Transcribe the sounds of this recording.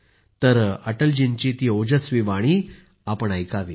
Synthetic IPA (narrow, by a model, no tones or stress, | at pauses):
t̪əɾəʈəld͡ʑint͡ɕit̪iːod͡ʑəsʋiʋaɽ̃iː | apəɳajkaʋi